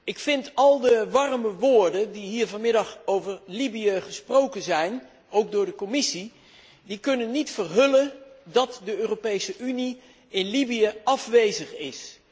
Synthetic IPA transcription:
ɪkfɪntɑlˠdəʋɑrməʋʊːɹdəndiɦiːɹvɑnmɪdɑχowvəɹlibijəχəsprowkənzɛjn | owk̚dʊːɹdəkomɪsi | dikɵnənːitfərɦɵləndɑtdəøːropejsəʔyni | ɪnlibiəɑfʋejzəχɪs

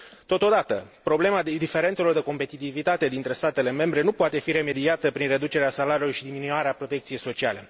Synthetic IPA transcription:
t̪o̞t̪od̪at̪əpɾo̞ble̞mad̪ife̞ɾe̞nt̪selord̪eko̞mpe̞t̪it̪ivit̪at̪e̞d̪int̪ɾe̞st̪at̪e̞le̞me̞mbɾe̞nupoat̪e̞fiɾe̞me̞d̪iat̪əpɾinre̞d̪ut͡ʃe̞ɾeasalaɾiulojʃid̪iminuuaɾeapɾo̞t̪e̞k̚t̪sije̞jso̞t͡ʃiale̞

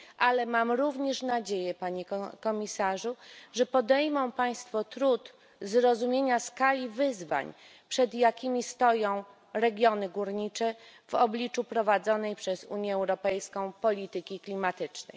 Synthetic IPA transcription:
ʔalɛmamɾuvɲɛʂnad͡ʑejɛpaɲɛkkɔmʲisaʐuʐɛpɔd̪ɛjmɔ̃w̃paj̃st̪fɔt̪ɾut̪ | zɾɔzumʲjeɲaskalʲivɘzva̰ɲ | pʂɛd̪jakʲimʲist̪ɔjɔ̃w̃ | ɾɛɡʲjɔnɘɡuɾɲit͡ʂɛvɔblʲit͡ʂupɾɔvad̪zɔnɛjpʂɛzuɲjɛːwɾɔpɛjskɔ̃w̃pɔlʲit̪ɘkʲiklʲimat̪ɘt͡ʂnɛ̰j

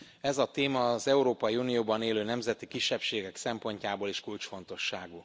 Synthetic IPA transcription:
ɛzɒt̪eːmɒːzɛuɾoːpɒjiunijoːbɒneːløːnɛmzɛt̪ikiʃːɛpʃeːɡɛksɛmpo̞ɲcaːboːleʃkult͡ʃfo̞n̪t̪o̞ʃːaːɡu

